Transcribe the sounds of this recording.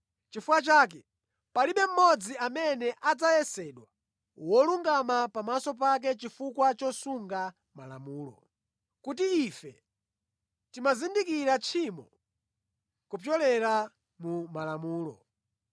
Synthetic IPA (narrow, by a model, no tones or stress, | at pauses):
t͡ʃifuwat͡ʃaːk̬ɛ | paliɓɛm̩mɔd͡ziamɛnɛʔad͡zajɛsɛɗwa | wɔluŋɡamapamasɔp̬ak̬ɛt͡ʃifukwat͡ʃɔsuŋɡa | mala̰muːlɔ̰ | kutiːfɛ | timazindikiɾat͡ʃʰimɔ | kupjɔlɛɾa | mumalamuːlɔ̰